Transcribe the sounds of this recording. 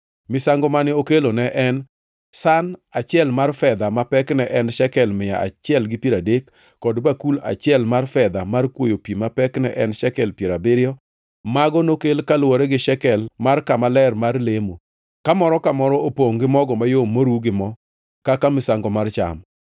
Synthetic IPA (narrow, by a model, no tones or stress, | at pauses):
mɪsaŋɡɔmanɪokelonɛʔɛn | sanat͡ʃɪɛlmarfɛd̪amapɛknɛʔɛnʃɛkɛlmɪja̰ʔa̰t͡ʃɪɛlɡɪpiɾadekː | ɔdbakula̰t͡ʃɪɛlmarfɛd̪amarkwojopimapɛknɛʔɛnʃɛkɛlpjeɾabɪɾɪjɔ | maɡɔnokelkalwoɾɛɡɪʃɛkɛlmarkamalɛrmarlemo | kamɔɾɔkamɔɾɔopoŋɡɪmɔɡɔmajomːoɾuɡɪmɔ | kakamɪsaŋɡɔmart͡ʃa̰m